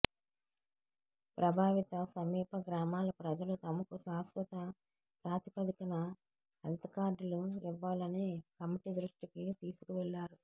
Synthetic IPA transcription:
pɾʔɐbʱaːʋit̪ɐsɐmiːpɐɡɾaːmaːlɐpɾɐd͡ʒɐlut̪ɐmɐkusaːsʋɐt̪ɐ | pɾaːt̪ipɐd̪ikɐnɐ | ɐlt̪ɐkaːɾɖluiʋːaːlɐneːkɐmiʈid̪ɾuʂʈikit̪iːsu̥kuʋɛlːaːɾu

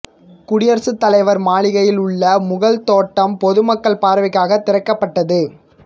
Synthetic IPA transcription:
kʊɽɪjɐɾsɯt̪ːɐlɐɪʋɐɾmaːɭɪɣɐjɪlʊɭːɐmʊɣɐɭt̪oːʈːɐmpɔðɯmɐkːɐɭpaːɾɐʋɪkːaːɣɐt̪ːɪɾɐkːɐpːɐʈːɐðɯ

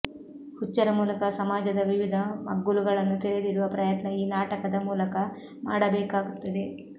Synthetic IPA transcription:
hut͡ʃːɐɾɐmuːlɐkɐsɐmaːd͡ʒɐd̪ɐʋiʋid̪ʱɐmɐ̰ɡːuluɡɐɭɐnːut̪eɾed̪iɽuʋɐpɾɐjɐt̪nɐiːnaːʈɐkɐd̪ɐmuːlɐkɐ | maːɽɐbɛːkaːɡut̪ːɐd̪e̞

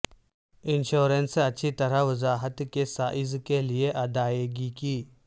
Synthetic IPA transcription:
ɪnʃoːɾensɐtːʃʰit̪ɐɾaʋəzaːɦət̪kesaːʔɪzkelieʔɐd̪aːeːɡikiː

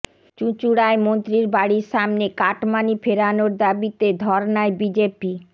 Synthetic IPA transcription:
t͡ɕut͡ɕuɽaemont̪ɾiɾbaɽiɾʃamnekaʈmanifeɾanoɾd̪abit̪ed̪ʱɔɾnaebid͡ʑepi

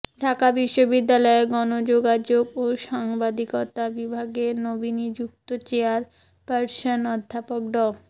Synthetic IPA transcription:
ɖʱakabiʃːobid̪ːalɔeɡɔnod͡ʑoɡad͡ʑoɡoʃaŋbad̪ikot̪abibʱaɡenobinid͡ʑukt̪ot͡ɕeaɾ | paɾsonɔd̪ʱːapok̚ɖɔ

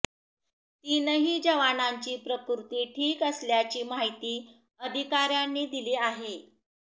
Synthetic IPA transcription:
t̪iːnəɦiːd͡ʑəʋanaɲt͡ɕiːpɾəkuɾt̪iːʈʰiːkəsljat͡ɕiːmaɦit̪iː | əd̪ʱikaɾjanːiːd̪iliːaɦe

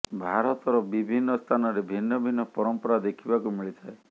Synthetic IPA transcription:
bʱaɾɔt̪ɔɾɔbibʱinːɔst̪ʰanɔɾebʱinːɔbʱinːɔpɔɾɔmpɔɾad̪ekʰibakumiɭit̪ʰae

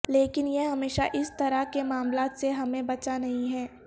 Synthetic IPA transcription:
leːkɪnjeɦɐmeːʃaʔɪst̪ɐɾakemaːmlaːt̪seɦɐmẽbɐt͡ʃanɐɦĩɦɛː

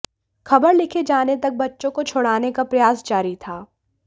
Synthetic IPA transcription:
xʰɐbəɾlɪkʰed͡ʒaːnet̪ɐk̚bɐtːʃõkot͡ʃʰoːɽaːnekapɾɐjaːsd͡ʒaːɾit̪ʰaː

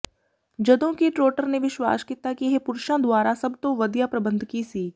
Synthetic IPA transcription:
d͡ʒɐd̪õkiʈɾoːʈəɾneʋɪʃwa̰ːskiːt̪akiɦɛpʊɾʃãd̪waːɾasɐbt̪oʋɐd̪japɾɐbə̃nd̪ʱkisiː

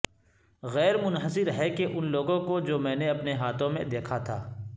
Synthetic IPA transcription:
ɣɛːɾmʊnɦəsɪɾɦɛkeʔʊnloːɡõkod͡ʒoːmɛ̃ːneɐpneɦaːt̪ʰõmẽd̪eːkʰat̪ʰa̰ː

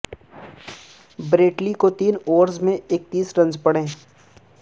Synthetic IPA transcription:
bɾeːʈlikot̪iːnoːɾzmẽeːk̚t̪iːsɾɐ̃nd͡ʒpɐɽẽː

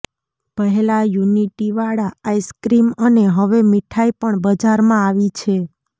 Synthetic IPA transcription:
pəɦɛlajuniʈiʋaɽaːiskɾiməneɦəʋemiʈʰaipəɳbəd͡ʒaɾmãaʋit͡ʃʰe

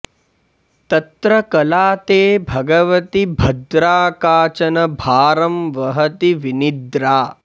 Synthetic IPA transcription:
t̪ɐt̪ɾɐkɐlaːt̪eːbʱɐɡɐʋɐt̪ibʱɐd̪ɾaːkaːt͡ʃɐnɐbʱaːɾɐmʋɐɦɐt̪iʋinid̪ɾaː

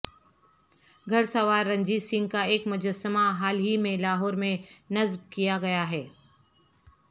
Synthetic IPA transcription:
ɡʱɐɽsəʋaːɾːɐ̃ɲd͡ʒisɪ̃ŋɡ̚kaeːkmʊd͡ʒəsəmaɦaːlɦimẽlaːɦɔːɾmẽnɐzb̚kijaɡɐjaɦɛː

